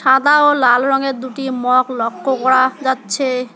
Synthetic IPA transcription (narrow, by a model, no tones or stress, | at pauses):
ʃad̪aolalɾɔŋeɾd̪uʈimɔklɔkːokɔɽad͡ʑatːɕʰe